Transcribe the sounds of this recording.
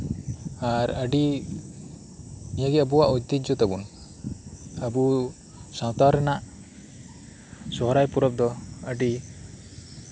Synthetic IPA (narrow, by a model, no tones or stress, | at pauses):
aɾəɖi | nijaɡɛabuwaʔɔd̪id͡ʒɔt̪abun | abu | sãwt̪aɾɛnaʔ | sɔɦɔɾajpuɾɔb̚d̪ɔəɖi